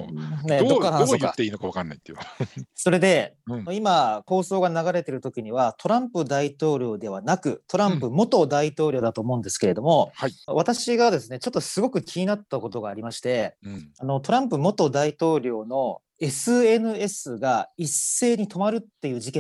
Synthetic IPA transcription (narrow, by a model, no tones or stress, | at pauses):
ed̪okːaɾaoka̰t̪ːeiːnokaβakanːa̰it̪ːeso̞ɾe̞d̪e̞oimako̞ːso̞ːɡanaɡaɾe̞t̪e̞ɾɯ̟t̪o̞kʲiɲ̟iβat̪ʰo̞ɾãmpɯ̟d̪ait̪o̞ːɾʲo̞ːd̪e̞β̞anakɯ̟t̪ʰo̞ɾãmpɯ̟mo̞t̪o̞d̪ait̪o̞ːɾʲjo̞ːd̪at̪o̞ːmo̞ɯ̟̃nd̪e̞sɨ̥ke̞ɾe̞d̪o̞mo̞haiβat̪aɕiɡad̪e̞sɨne̞t͡ɕo̞t̪ːo̞sɨɡo̞kɯ̟kʲʰiɲ̟inat̪ːako̞t̪o̞ɡaːɾʲimaɕi̥t̪e̞ano̞t̪o̞ɾãmpɯ̟mo̞t̪o̞d̪ait̪o̞ːɾʲo̞ːno̞ | e̞sɨe̞nɯ̟e̞sɨɡaisːe̞ːɲ̟it̪o̞maɾɯ̟t̪ːe̞jɯ̟ːʑikẽ